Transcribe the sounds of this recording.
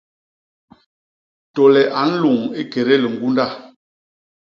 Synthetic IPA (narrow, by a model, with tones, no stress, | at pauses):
tɔ˨lɛ˨ʔa˨˦n̩˦lu˨ŋe˦ke˨ɾe˦lə˨ŋ̩˨ɡu˦nda˦˨